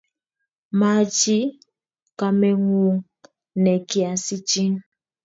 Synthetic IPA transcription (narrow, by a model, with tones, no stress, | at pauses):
ma˨˦d͡ʒi˦ | ka˨mɛ˨ŋu˦ŋ | nɛ˨kja˨si˦t͡ʃi˦n